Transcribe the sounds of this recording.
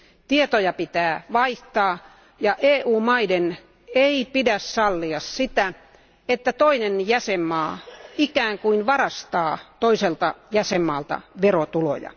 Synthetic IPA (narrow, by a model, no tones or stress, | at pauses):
t̪iet̪ojɑpit̪æːʋɑiht̪ɑː | jɑʔeːʔuːmɑiden | eipidæssɑlːiɑssit̪æ | et̪ːæt̪oinenjæsemːɑːikæːŋkuinʋɑrɑst̪ɑːt̪oiselt̪ɑjæsemːɑːlt̪ɑ̰ʋerot̪ulo̰jɑ̰